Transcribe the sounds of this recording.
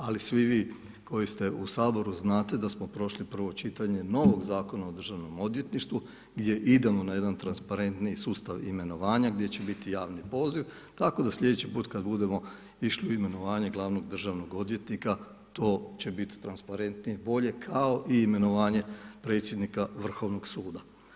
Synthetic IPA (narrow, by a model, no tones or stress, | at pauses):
alisʋiʋiː | ko̞jist̪e̞ʔusaːbo̞ɾuznaːt̪e̞d̪asmo̞pɾo̞ʃlipr̩ʋo̞t͡ʃit̪aɲe̞no̞ʋo̞ɡzaːko̞nao̞d̪r̩ʒaʋno̞mo̞d̪ʋje̞t̪niʃt̪ʋu | ɡd̪ʲje̞ʔid̪e̞mo̞naje̞d̪ant̪ɾanspaɾe̞nt̪nisuːst̪aʋḭme̞no̞ʋaːɲaɡd̪jet͡ɕe̞bit̪ijaːʋnipo̞ːziʋ | t̪ako̞d̪aslʎe̞d̪et͡ɕipuːt̪kad̪bud̪e̞mo̞ | iʃliuime̞no̞ʋaːɲeɡlˠaʋno̞ɡd̪r̩ʒaʋno̞ɡo̞d̪je̞t̪nika | t̪o̞ːt͡ɕe̞bit̪i̥t̪ɾanspaɾe̞nt̪nije̞bo̞ʎe̞kʰao̞ʔiːme̞no̞ʋaːɲe̞pɾe̞ːt̪sje̞d̪nikaʋr̩xo̞ʋno̞ɡsuːd̪a